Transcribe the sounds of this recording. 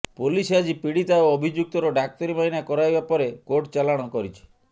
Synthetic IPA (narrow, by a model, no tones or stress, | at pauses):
polisad͡ʒipiɽit̪aoɔbʱid͡ʒuk̚t̪ɔɾɔɖak̚t̪ɔɾimainakɔɾajbapɔɾekoʈt͡ʃalaɽ̃ɔkɔɾit͡ʃʰɔ̥